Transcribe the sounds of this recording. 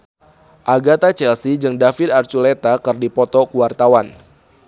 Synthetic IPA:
ʔaɡat̪at͡ʃɛlsid͡ʒɨŋdafɪd̪art͡ʃulet̪akɨrdipɔt̪ɔkuwart̪awan

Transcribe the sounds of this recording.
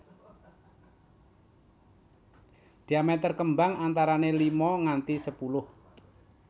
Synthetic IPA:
d̪̥i̤amet̪ərkəmbaŋant̪aɾanelimɔŋant̪isəpulʊh

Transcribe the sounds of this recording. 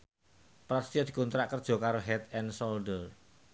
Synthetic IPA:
pɾast̪iɔd̪̥i̤kunt̪ɾaʔkərd̥ʒ̥ɔ̤kaɾoɦɛt̪ɛnsɔld̪əl

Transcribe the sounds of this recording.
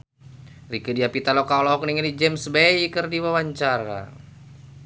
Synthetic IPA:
rikədiapit̪alokaolɔɦɔkniŋnid͡ʒɛmsbɛjikərdiwawaɲt͡ʃaɾa̰

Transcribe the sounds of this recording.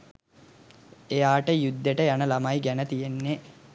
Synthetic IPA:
ejaːʈəjud̪ːeʈəjanəlamajɡænət̪ijenːe

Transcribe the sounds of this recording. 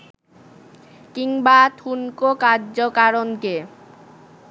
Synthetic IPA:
kiŋbat̪ʰunkokaɾd͡ʑokaɾonke

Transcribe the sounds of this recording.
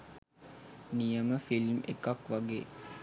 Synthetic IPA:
nijəməfilmḛkakʋaɡeː

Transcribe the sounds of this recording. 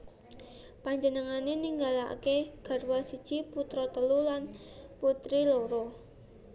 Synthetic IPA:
paɲd͡ʒənəŋaneniŋɡala̰keɡ̥a̤rwasid̥ʒ̥i̤put̪ɾɔt̪əlulan | put̪ɾiloɾɔ

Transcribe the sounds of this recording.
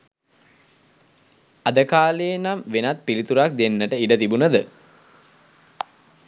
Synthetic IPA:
ad̪əkaːleːnamʋenat̪̚pilit̪uɾak̚d̪enːəʈəiɖət̪ibunəd̪ə

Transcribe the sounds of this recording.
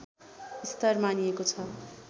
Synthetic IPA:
ist̪ʌrmaniekot͡sʰʌ

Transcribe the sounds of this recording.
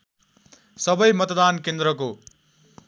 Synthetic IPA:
sʌbʌjmʌt̪d̪ankend̪ɾʌko

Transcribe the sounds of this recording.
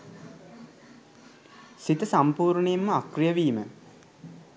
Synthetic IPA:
sit̪əsampuːɾɳejemːəakrijəʋiːmə

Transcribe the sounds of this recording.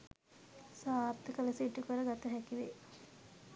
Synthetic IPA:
saːɾt̪əkələsiʈːukəɾəɡat̪ɐɦɛkiʋe

